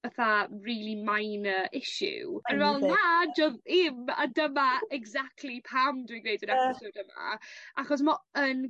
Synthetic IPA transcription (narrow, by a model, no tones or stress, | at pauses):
əθariːlˠimajnəɪʃʊ̰ənvɛlˠnhad͡ʒɔðɪma̰dəmaɛɡzak̚tʰˡlipʰamdwiɡɾejdənɛpɪsowdəma̰ʔaχɔs̬mɔən